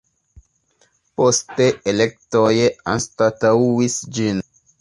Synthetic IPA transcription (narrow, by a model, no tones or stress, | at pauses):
po̞ste̞elek̚tojea̰nstatauwisd͡ʒin